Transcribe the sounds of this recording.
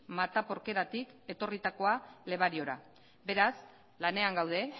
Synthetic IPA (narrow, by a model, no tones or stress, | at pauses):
mat̪apo̞ɾke̞ɾat̪ike̞t̪o̞rit̪ako̞ale̞βaɾio̞ɾa | be̞ɾas | lane̞aŋɡawðe̞